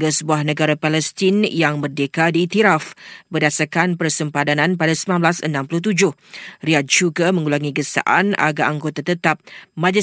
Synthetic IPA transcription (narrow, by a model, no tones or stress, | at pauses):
ɡasəbuahnə̃ɡaɾapalɛst̪injaŋbərdekadiːt̪iɾafbərdasarkanpərsəmpadanãnpadasəbilanblasənãmpulʊht̪ud͡ʒʊh | riat̪̚d͡ʒuɡamə̃ŋulaŋiɡəsa̰ʔa̰na̰ɡaʔaŋɡot̪at̪ət̪ap̚mãd͡ʒɪ